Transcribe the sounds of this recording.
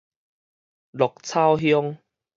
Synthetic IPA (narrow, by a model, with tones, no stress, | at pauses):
lɔ˨˩k̚t͡sʰa˥˧˨wɦjɔ˧ŋ